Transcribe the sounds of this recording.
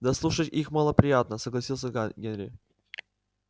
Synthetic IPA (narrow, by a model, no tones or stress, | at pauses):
d̪ɐslˠuʂətʲixməlˠəpɾʲɪjat̪̚nəsəɡlˠɐsʲilˠsʲəɡʲenɾʲɪ̰